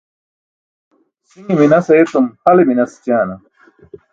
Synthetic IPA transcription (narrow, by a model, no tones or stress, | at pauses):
siŋiminɐseet̪umhɐleminɐst͡ɕaːnɐ